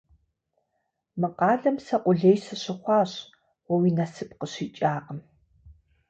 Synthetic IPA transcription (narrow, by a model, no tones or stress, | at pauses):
mɨqɑːɮɐmsɐqʷʊɮejsɨɕɪχʷɑːɕ | wɐwiːnɐsɨp̚ʼqəɕiːt͡ʃʼaːqəm